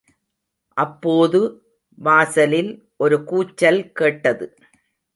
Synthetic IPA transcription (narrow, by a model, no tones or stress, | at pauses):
ʔɐpːoːðɯ | ʋaːsɐlɪl | ʔɔɾɯkuːt͡ʃːɐlkeːʈːɐðɯ